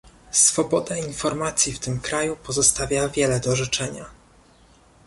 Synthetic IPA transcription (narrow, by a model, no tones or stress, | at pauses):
sfɔbɔd̪ainfɔɾmat̪sʲjift̪ɘmkɾajupɔzɔst̪avʲjavʲjɛlɛd̪ɔʐɛt͡ʂɛɲa